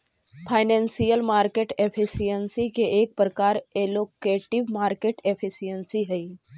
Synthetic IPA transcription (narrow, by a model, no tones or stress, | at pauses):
fʰajnɛnsijəlmaɾkeʈefʰisijənsikeʔek̚pɾəkaɾelokeʈiʋmaɾkeʈefʰisijənsiɦəj